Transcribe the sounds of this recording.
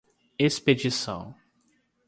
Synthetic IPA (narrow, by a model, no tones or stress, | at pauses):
esped͡ʒisɐ̰̃w̃